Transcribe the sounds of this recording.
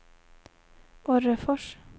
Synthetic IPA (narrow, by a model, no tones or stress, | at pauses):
ɔɾəfɔʂ